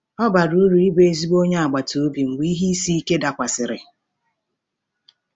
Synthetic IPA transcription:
ɔ˦ba˨ɾu˦ɾu˨i˦be˦e˦zi˦bo˦ɲe˦a˨ɡ͡ba˨to˨o˦bi˨ŋ͡m̩˨ɡ͡bi˦ɦi˦si˦i˦ke˦da˨kʷa˨sɪ˨ɾɪ˨

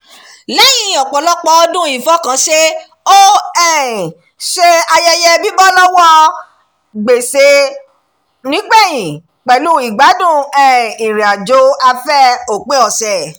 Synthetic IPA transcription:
lɛ˦jĩ˨˧˨ɔ˨k͡pɔ˨lɔ˦k͡pɔ˧˦ɔ˧dũ˦i˨fɔ˦kã˨˦ʃe˦ | o˦ɛ˦˨ | ʃe˧a˧jɛ˦jɛ˦bi˦bɔ˦lɔ˦wɔ̃˦ | ɡ͡be˨se˧˦ | nĩ˨˦k͡pɛ˦˨j̃ĩ˨ | k͡pɛ˨lũ˦i˨ɡ͡ba˨˦dũ˦˨ɛ̃˦˨ĩ˨ɾi˨a˨d͡ʒo˨˦a˧fɛ˦o˨k͡pe˦ɔ˨sɛ˨

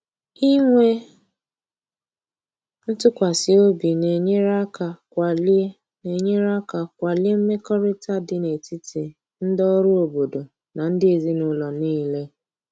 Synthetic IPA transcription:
i˦ŋʷe˦ | n̩˦tʊ˦kʷa˨sɪ˨o˦bi˨ne˨ɲe˦ɾa˦ka˨kʷa˨le˦ | ne˨ɲe˦ɾa˦ka˨kʷa˨lɪ˦e˦m̩˦me˦kɔ˦ɾɪ˦ta˦dɪ˦ne˨ti˦ti˨ | n̩˦dɔ˦ɾʊ˦o˨bo˨do˨ | na˨n̩˦dɪ˦e˨zi˦nʊ˦lɔ˨niː˦le˦

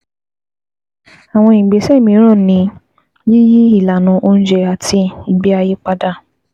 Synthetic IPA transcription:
a˨w̃ɔ̃˧i˨ɡ͡be˨sɛ˦˨mĩ˧˦ɾ̃ã˦˨nĩ˧˦ | ji˦ji˦i˦˨la˨nũ˨˦ʔo˦˧ñ̩˦d͡ʒɛ˧a˨tʰi˧i˨ɡ͡bi˦a˧je˦k͡pa˧da˧˦

